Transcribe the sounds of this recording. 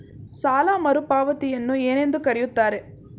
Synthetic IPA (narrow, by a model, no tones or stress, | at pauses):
saːlaːmɐɾupaːʋɐt̪ijɐnːueːne̞nd̪ukɐɾɛjut̪ːaːɾe